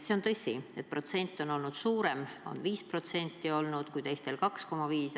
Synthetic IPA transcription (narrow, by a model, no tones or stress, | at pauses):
se̞o̞nt̪ɤ̞sʲie̞t̪̚pro̞t̪se̞nʲt̪ːˑo̞no̞lnud̪̥suːɾe̞mo̞̰nviːspro̞t̪se̞nʲt̪ˑːio̞lnud̪̥kujt̪e̞jst̪e̞lkɑksko̞mːɑviːs